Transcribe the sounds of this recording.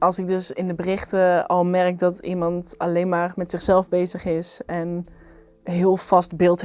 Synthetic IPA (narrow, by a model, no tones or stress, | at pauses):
ɑlˠsɪɡ̚dɵsɪndəbərɪχtəɑlˠmɛɹɪk̚dɑtḭmɑntalejnmaːɹmɛtsɪχsɛlˠvbejzəχɪsɛn | ɦɪəlˠfɑstbɪlˠt